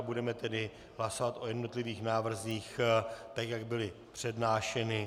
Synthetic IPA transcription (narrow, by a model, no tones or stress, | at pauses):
budɛmɛt̪ɛdɪ | ɦlaso̞vat̪ʔo̞jɛdno̞t̪lɪviːxnaːvr̩ziːxt̪akjaɡ̚bɪlɪ | pr̝̥ɛdnaːʃɛnɪ